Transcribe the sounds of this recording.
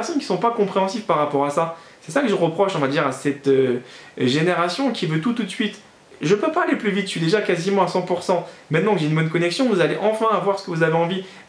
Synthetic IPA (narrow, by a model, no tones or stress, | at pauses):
ɛʁsɔnkʲi̥sɔ̃pakɔ̃pχeɑ̃sivpaʁːapɔʁasa | sɛsakəʒəʁəpχɔʃɔ̃vad̪iʁasɛt̪ø | ʒeneʁasjɔ̃kʲivøt̪ut̪ːut̪sɥit̪ | ʒəpøpaːleplyvit̪ʃɥid̪eʒakazimɑ̃asɑ̃puʁsɑ̃mɛ̃t̪nɑ̃kəʒɛynbɔnkɔnɛksjɔ̃vuzaleʔɑ̃fɛ̃avwaʁsə̥kəvuzaveɑ̃vi